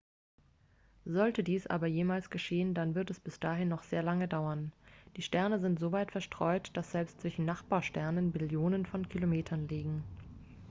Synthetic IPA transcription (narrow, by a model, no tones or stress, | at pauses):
zɔltədiːsʔa̰ːbɐjeːmaːlsɡ̥əʃeːəndanvɪɐtɛsb̥ɪsd̥aːɦɪnːɔχz̥eːɐlaŋədaʊɐnd̥iːʃtɛɐnəzɪntz̥oːvaɪtfɛɐʃtʁ̥ɔʏtd̥asz̥ɛlpstt͡sv̥ɪçn̩naχb̥aːɐʃtɛɐnənmɪljoːnənfɔnkʰilomeːtʰɐnliːɡŋ̩